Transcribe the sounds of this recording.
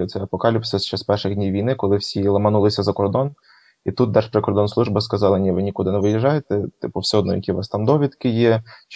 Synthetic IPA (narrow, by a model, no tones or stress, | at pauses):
ɔt̪sɛɐpɔkɑlʲipsɛst͡ʃːɑspɛrʃɪɣdʲnʲijʋʲijnɪkɔlˠɪwsʲiilˠɐmɐnulˠɪsʲɐzɐkɔrd̪ɔn | it̪ut̪̚d̪ɛʃpɾekɔrd̪ɔnslˠuʒbɐskɐzɑlˠɐnʲiʋɪnʲikud̪ɪnɛʋɪjɪʒːɑjet̪ɛt̪ɪpʊwsɛɔd̪nɔ̰jɐ̰kʲiʋɑst̪ɑmd̪ɔʋʲid̪kɪjɛt͡ʃ